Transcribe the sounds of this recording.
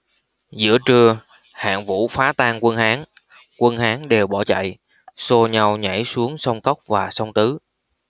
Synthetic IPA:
zɨ̰˧˥ət͡ɕɨ˧ə | ha̰ː˧˨ŋvṵ˧˥faː˨˦t̪aː˧ŋkwə˧nhaː˨˦ŋ | kwə˧nhaː˨˦ŋɗe˨˩wɓɔ˧˩t͡ɕa̰˧˨j | so˧ɲa˧wɲa̰˧˩jsu˨˦əŋsə˧wŋ͡mkə˦˥wk͡p̚vaː˨˩sə˧wŋ͡mt̪ɨ˨˦

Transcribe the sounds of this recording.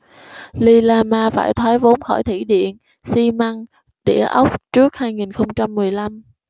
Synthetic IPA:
li˧laː˧maː˧faː˧˩jt̪ʰwaː˨˦jvo˨˦nxɔ˧˩jt̪ʰi˧˩ɗḭ˧˨ən | si˧ma˧ŋ | ɗḛ˧˩əʔə˦˥wk͡p̚t͡ɕɨ˦˥ək̚haː˧jŋi˨˩nxə˧wŋ͡mt͡ɕa˧mːɨ˨˩əjla˧m

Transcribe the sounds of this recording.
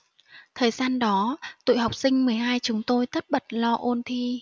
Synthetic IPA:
t̪ʰəː˨˩jzaː˧nɗɔ˨˦t̪ṵ˧˨jɦa˨˩wk͡p̚sï˧ŋ̟mɨ˨˩əjɦaː˧jt͡ɕʊ˨˦ŋ͡mt̪o˧jt̪ə˦˥t̚ɓə˨˩t̚lɔ˧ʔo˧nt̪ʰi˧

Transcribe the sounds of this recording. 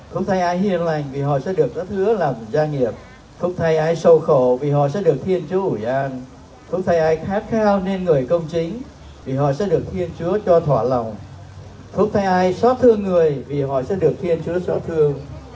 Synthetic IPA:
fə˧˥wŋ͡mt̪ʰa˧jʔaː˧jhi˧˨ənla˨˩jŋ̟vi˨˩ɦɔ̰˧˨sɛ̰˧˥ɗɨ˨˩ək̚zaː˨˦˥t̪ʰɨ˨˦əlaː˨˩mzaː˧ŋi˨˩əp̚ | fə˦˥ŋ͡m̚t̪ʰa˧jʔaː˧jsə˧wxo˧˩˨vi˨˩ɦɔ̰˧˨sɛ̰˧˥ɗɨ˨˩ək̚t̪ʰi˧ənt͡ɕu˨˦əʔu˧˩jʔaː˧n | fə˧˦˥wŋ͡m̚t̪ʰa˧jʔaː˧jxaː˦˥t̚xaː˧wne˧nŋɨ˨˩əjkə˧wŋ͡mt͡ɕï˨˦ŋ̟ | vi˨˩ɦɔ̰˧˨sɛ̰˧˥ɗɨ˨˩ək̚t̪ʰi˧ənt͡ɕu˨˦ət͡ɕɔ˧t̪ʰwaː˧˩la̰˨˩wŋ͡m | fəʊ˧˥wŋ͡m̚t̪ʰa˧jʔaː˧jsɔ˦˥t̪ʰɨ˧əŋːɨ˨˩əjvi˨˩ɦɔ̰˧˨sɛ̰˧˥ɗɨ˨˩ək̚t̪ʰi˧ənt͡ɕu˨˦əsɔ˦˥t̚t̪ʰɨ˧əŋ

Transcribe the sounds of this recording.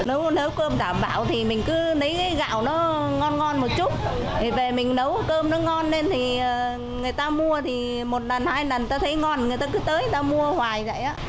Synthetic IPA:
ne˨˦wne˨˦wkəː˧mɗaː˧˩mɓa̰ː˧˨wt̪ʰi˨˩mï˨˩ŋ̟kɨ˨˦nə˨˦jkaː˨˦jɣa̰ː˧˨wnɔ˨˦ | ŋɔ˧nŋɔ˧nmo˨˩t̚t͡ɕu˦˥t̚ | t̪ʰi˨˩ve˨˩mï˨˩ŋ̟nə˨˦wkəː˧mnɔ˨˦ŋɔ˧nːe˧nt̪ʰiː˨˩˨ | ŋɨ˨˩əjt̪aː˧mu˧ət̪ʰi˨˩ | mo˨˩t̚na˨˩nhaː˧jna˨˩nt̪aː˧t̪ʰə˨˦jŋɔ˧nŋɨ˨˩jt̪aː˧kɨ˨˦t̪əː˨˦jjt̪aː˧mu˧əhwaː˨˩jzə̰˧˨jʔaː˨˦˥

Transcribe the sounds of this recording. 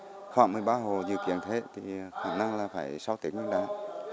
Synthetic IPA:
xwaː˧˩ŋmɨ˨˩əjɓaː˧ɦo˨˩zɨ̰˧˨kḭ˧˨ənt̪ʰe˨˦t̪ʰi˨˩xaː˧˩na˧ŋlaː˨˩faː˧˩jsa˧wt̪i˨˦ək̚ɲɨ˧ɗa̰ː˧˩˨

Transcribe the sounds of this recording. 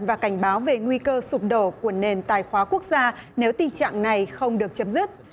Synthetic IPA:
nvaː˨˩ka˧˩jŋ̟ɓaː˨˦wve˨˩ŋwi˧kəː˧sʊ˨˩p̚ɗo˧˩ku˧˩əne˨˩nt̪aː˨˩jxwaː˨˦ku˦˥ək̚zaː˧ne˨˦wt̪i˨˩ŋt͡ɕa̰ː˧˨ŋna˨˩jxə˧wŋ͡mɗɨ˨˩ək̚t͡ɕə˨˦mzɨ˦˥t̚

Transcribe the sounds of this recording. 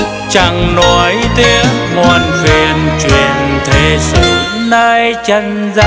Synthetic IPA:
t͡ɕa˨˩ŋnɔ˨˦jt̪i˧əŋŋɔ˨˩nxwi˨˩ənt͡ɕwḭ˧˨˩ənt̪ʰe˨˩sɨ˧˨˩ | nəː˧jt͡ɕə˧n | za˧

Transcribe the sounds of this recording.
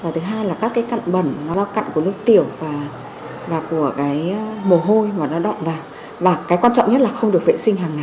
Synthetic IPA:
vaː˨˩t̪ʰɨ˨˦ɦaː˧jlaː˨˩kaː˦˥kːaː˨˦jka̰˧˨jŋ̟ɓə˧˩nnɔ˨˦zaː˧wka̰˧˨jŋ̟ku˧˩ənɨ˦˥ək̚t̪i˧˩əwvaː˨˩ | vaː˨˩ku˧˩əkaː˨˦jmo˨˩ɦo˧jmaː˨˩nɔ˨˦ɗɔ̰˧˨wŋ͡mvaː˨˩ | vaː˨˩kaː˨˦jkwaː˧nt͡ɕɔ̰˧˨ŋ͡mɲə˦˥t̚laː˨˩xə˧ŋ͡mɗɨ˨˩ək̚vḛ˧˨sï˧ŋ̟ɦaː˨˩ŋːa˨˩j

